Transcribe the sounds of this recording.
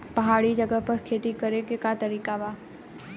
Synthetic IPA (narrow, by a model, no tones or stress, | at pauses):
pɐɦaːɽid͡ʒəɡəɦpɐɾkʰeːt̪ikɐɾekekat̪ɐɾiːkabaː